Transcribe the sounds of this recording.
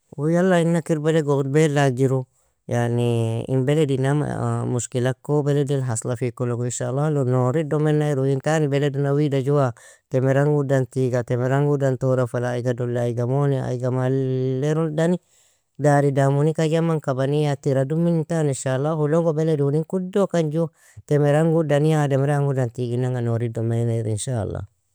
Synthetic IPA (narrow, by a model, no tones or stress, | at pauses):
wujalːainːakiɾbeleɡoɾbelad͡ʒiɾu | janiḭmbeledinama̰muskilakːobeledilɦaslafikoloɡinʃaːlːalonoɾidɔmenːajɾojintanibeledunawidad͡ʒuwa | temeɾaŋɡudant̪iɡatɛmeɾaŋɡudant̪oɾafalaːiɡadolːjɡamonia̰jɡamalːeɾudani | daɾidamunikaɡamaŋkabanijatiɾadumintaninʃalːahuloŋɡobeleduniŋkudokand͡ʒu | temeɾaŋɡudanijademeɾaŋɡudant̪iɡinːaŋɡanoɾidomanaɾinʃa̰lːa̰